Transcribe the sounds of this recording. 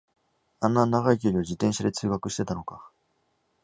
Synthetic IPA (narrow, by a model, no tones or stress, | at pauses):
ãnːanaɡaik̬ʲioɾʲiβad͡ʑit̪ẽ̞ɰ̃ɕad̪e̞t͡sɨːɡakɯ̟ɕi̥t̪e̞t̪ano̞ka